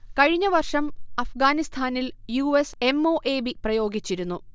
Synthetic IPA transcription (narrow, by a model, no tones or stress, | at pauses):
kɐɻiɲːɐʋɐrʂɐmɐfɡaːnist̪ʰaːniljuːese̞mo̞ːʔe̞ːbiprɐjo̞ːɡit͡ɕːiɾunːu